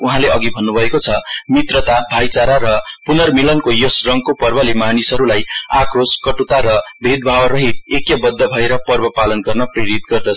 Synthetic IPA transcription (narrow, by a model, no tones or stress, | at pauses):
uɦãleʌɡibʱʌnːubʱʌekot͡sʰʌmit̪rʌt̪abʱajt͡saɾaɾʌpunʌrmilʌnkojosrʌŋɡkopʌrbʌlemanisʌɾulajakroskʌʈut̪aɾʌbʱed̪̚bʱawʌrʌɦit̪̚ekjʌbʌd̪ːʌbʱʌeɾʌpʌrbʌpalʌnɡʌrnʌpreɾit̪̚ɡʌrd̪ʌt͡sʰʌ